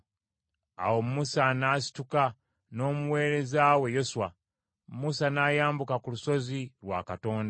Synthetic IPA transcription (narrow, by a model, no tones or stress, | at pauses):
a̰wo̞mmusanaːsi̥tuka | no̞ːmuwe̞ːɾe̞zawe̞jo̞suwa | musanajaːmbukakuluso̞zilwaːkato̞ːnda